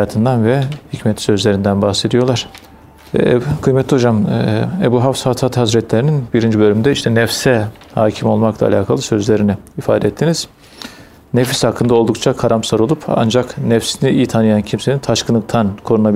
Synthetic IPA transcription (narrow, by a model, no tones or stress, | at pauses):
aːt̪ʰɯnd̪anvɛhicmɛt̪sø̞zlʲe̞ɾind̪ænbaxse̞d̪ijo̞lˠaɾ̥ | kʰɯjmɛt̪lːʲio̞d͡ʒamebuɦafsat̪ʰat̪hasɾɛt̪ʰlʲeɾininbiɾind͡ʒibø̞lʲymd̪ɛiʃt̪ʰɛnɛfsɛ | haːcʰimo̞lˠmaklˠa̰lʲaːkʰalˠɯsø̞zlʲeɾinɛifa̰ːd̪ɛɛt̪ʰːiniz̥ | nɛfi̥shakʰːɯnd̪ao̞lˠd̪uk̚t͡ʃʰakʰaɾamsaɾo̞lˠupa̰nd͡ʒaknɛfsiniʔijt̪ʰanɯjancʰimse̞nint̪ʰaʃkɯnɯk̚t̪ʰankʰo̞ɾunabi